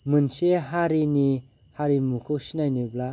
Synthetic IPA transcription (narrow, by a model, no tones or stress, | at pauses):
mɯnseɦaɾini | haɾimukʰɯwsinajnibla